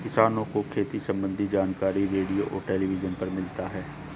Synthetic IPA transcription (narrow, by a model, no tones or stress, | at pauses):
kɪsaːnõkokʰeːt̪isɐ̃mbə̃nd̪ʱid͡ʒaːnkaːɾiɾeːɖijoʔɔːɾʈɛːliʋɪd͡ʒənpɐɾmɪlt̪aɦɛː